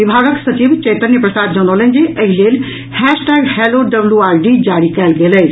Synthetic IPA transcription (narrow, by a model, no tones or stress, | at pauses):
ʋibʱaɡəksət͡ʃibt͡ʃet̪ənjəpɾɐsaːd̪d͡ʒɐnolə̃nd͡ʒiʔəɦilel | hɛsʈɛɡheloɖəbljuaːɾɖid͡ʒaɽikɛlɡeləj